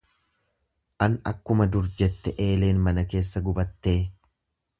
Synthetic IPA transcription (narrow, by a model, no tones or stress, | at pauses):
ʔɐnɐ̰kːʊmɐd̪ʊɾd͡ʒɛt̪ːɛʔe̞ːle̞ːnmɐnɐke̞ːsːɐɡʊbɐt̪ːe̞ː